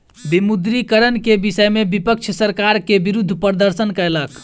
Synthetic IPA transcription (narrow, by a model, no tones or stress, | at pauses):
bimud̪ɾikəɾənkebisəjmebipəkt͡ʃʰsəɾkaɾkebiɾud̪ʱːpəɾd̪əɾsənkəɾlək